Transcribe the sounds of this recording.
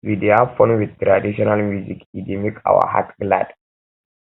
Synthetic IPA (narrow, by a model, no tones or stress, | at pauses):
wid̪eafɔnwid̪̚t̪ɾad̪iʃɔnalmjuzikid̪imika̰wa̰ɦa̰t̪ɡla̰d